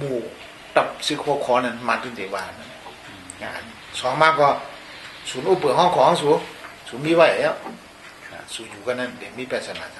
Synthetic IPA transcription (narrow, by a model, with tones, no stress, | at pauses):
muː˧˩ | t̪a˧˩p̚sɯ˧˨kʰɔ˧˨kʰɔː˨˦na˧˨nmaː˧˨t̪ɯ˧˨t̪e˨˦waː˧˨na˧˨n˨ | ŋa˧˨n | sɔː˨˦ŋmaː˧˥˨kɔ˧˩ | suː˨˦nʔuː˧˨pɯ˨ɦɔ˧˥˨ŋkʰɔː˨˦ŋsu˨˦suː˨˦miː˧˥˨wa˧˩˨a˨jɛ˧˨ | a̰˧su˨˦juː˨˦ka˧na˧˨ndɛ˨˦miː˧˨pɛː˧˩sa˧naː˨a˧